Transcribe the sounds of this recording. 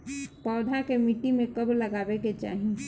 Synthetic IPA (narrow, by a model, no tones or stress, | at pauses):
pɔːd̪ʱakemiʈimẽkɐblɐɡaːbeket͡ʃa̰ːɦĩ